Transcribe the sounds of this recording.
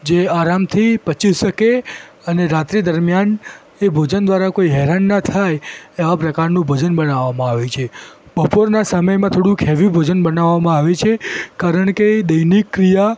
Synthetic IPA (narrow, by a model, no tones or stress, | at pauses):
d͡ʒeaɾamt̪ʰipət͡ʃisʃəke | əneɾat̪ɾid̪əɾmjan | ebʱod͡ʒənd̪ʋaɾakoiɦɛɾanːat̪ʰajeʋapɾəkaɾnũbʱod͡ʒənbənaʋːamãaʋet͡ʃʰe | bəpoɾnasəməjmãt̪ʰoɽũkʰɛʋibʱod͡ʒənbənaʋːamãaʋet͡ʃʰekaɾəɳked̪əjnikːɾija